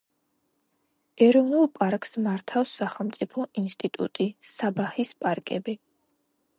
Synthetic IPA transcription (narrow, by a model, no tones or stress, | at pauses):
ɛɾɔvnulˠpʼaɾkʼsmaɾt̪ʰafsːaχɛlˠmt̪sʼipʰɔʔinst̪ʼit̪ʼṵt̪ʼisabahispʼaɾkʼɛbi